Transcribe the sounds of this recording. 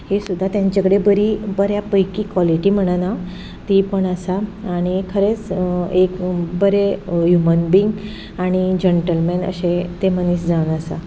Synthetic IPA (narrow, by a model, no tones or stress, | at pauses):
hesud̪ʱːat̪jãɲd͡ʑəkɽebəɾibəɾjapəjkiːkʋɔliʈiːm̤əɽ̃ana | t̪ipəɳəsaːɽ̃ikʰəɾet͡sekbəɾejumənbiŋɡ | aɽ̃id͡ʑeɳʈəlmenə̰ɕet̪eməniɕd͡zaʋnəsa̰